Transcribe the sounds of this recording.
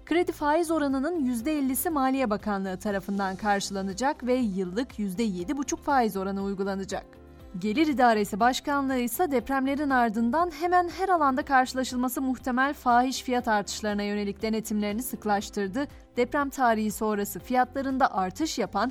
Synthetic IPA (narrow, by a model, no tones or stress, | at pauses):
kɯɾe̞d̪ifaːjizo̞ɾanɯnɯnjyzd̪ɛɛlʲːisimaːlʲijɛbakʰanlˠɯːɯt̪ʰaɾafɯnd̪ankʰaɾʃɯlˠanɯd͡ʒakvɛjɯlˠːɯkjyzd̪ɛje̞d̪ibut͡ʃʰukfaːjizo̞ɾanɯujɡulˠanɯd͡ʒak̚ | ɟe̞lʲiɾid̪aːɾe̞sibaʃkanlˠɯɯjsad̪ɛpɾæmlʲe̞ɾinaɾd̪ɯnd̪anɦemænɦæɾalˠand̪akʰaɾʃɯlˠaʃɯlˠmasɯmuxt̪ʰe̞mælʲfaːɦiʃfijat̪ʰaɾt̪ʰɯ̥ʃlˠaɾɯnajø̞ne̞lʲic̚d̪e̞ne̞t̪ʰimlʲe̞ɾinisɯklˠaʃt̪ʰɯɾd̪ɯ | d̪̥ɛpɾæmt̪ʰaːɾihiso̞nɾasɯfijat̪lˠaɾɯnd̪aʔaɾt̪ʰɯʃjapʰan